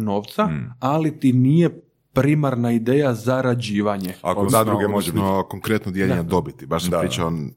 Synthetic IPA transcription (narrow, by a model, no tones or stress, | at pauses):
noːʋt̪saalit̪inije | pɾimaɾnaid̪eːjazaɾad͡ʑiːʋaɲeakozad̪ɾuɡemoʒiokoŋkɾet̪nod̪jeʎeɲad̪o̞bit̪i̥baʃsamɾit͡ʃaon